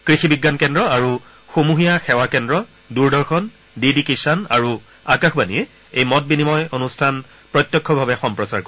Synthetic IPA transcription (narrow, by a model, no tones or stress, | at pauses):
kɹixibiɡːankɛndɹɔaɹu | xomuɦijaxɛwakɛndɹɔ | duɹdɔɹxɔn | didikesɔna̰ɹu | akaxbanḭjɛ | ejmɔt̚binimɔjonustʰan | pɹɔtjɔkʰːɔbʱabɛxɔmpɹɔsaɹko